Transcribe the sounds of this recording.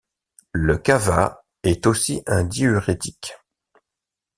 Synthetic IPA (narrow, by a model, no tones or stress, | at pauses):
ləkava̰ | ɛt̪osiʔɛ̃d̪iyʁet̪ik